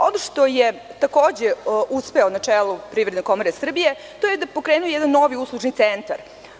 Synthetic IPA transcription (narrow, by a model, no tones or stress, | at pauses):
o̞noʂt̪o̞jet̪akoːd͡ʑeuspe̞onat͡ʂeːlˠupɾiːʋɾd̪neko̞moɾesr̩bije̞ | t̪ojed̪apo̞kɾeːnujejɛd̪anːo̞ʋiuslˠuʐnit̪sent̪aɾ